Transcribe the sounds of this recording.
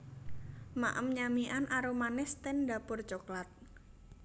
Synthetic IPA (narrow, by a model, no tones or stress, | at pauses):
ma̰ʔəmɲamiʔanʔaɾomanɪst̪ɛnda̤pʊrt͡ʃoklat̪̚